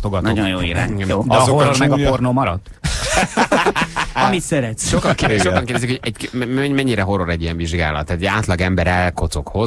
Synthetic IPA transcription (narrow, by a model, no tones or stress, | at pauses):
t̪oɡɒtno̰ɟojjoːḭɾa̰ːɲoːdɒoroɾmɛɡɒpornomɒɾɒd̪ | ɒmit̪sɛɾɛt̪sʃokɒŋkeʃokɒŋkeːɾɛdɛzikhojɛɟɛmɛɲːiɾɛɦo̞ɾoɾɛɟːijɛɱviʒɡa̰ːlɒ̰t̪ːaːt̪ɛɟaːt̪lɒɡɛmbɛɾɛlko̞t̪so̞kho̞z